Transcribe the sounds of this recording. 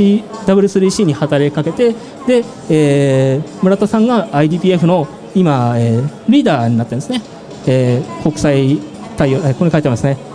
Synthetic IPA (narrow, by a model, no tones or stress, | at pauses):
id̪abɯ̟ɾɯ̟sɨɾʲiɕiːɲ̟ihat̪aɾe̞kake̞t̪e̞ | d̪e̞ | eː | mɯ̟ɾat̪o̞sãŋɡaːid̪ʲiːpʲiːe̞ɸɯ̟no̞ | imaeːɾʲiːd̪aːɲ̟inat̪ːnsɨne̞ | eːko̞kɯ̟̥sai | t̪aioeːkoɲkait̪aɾimesɨne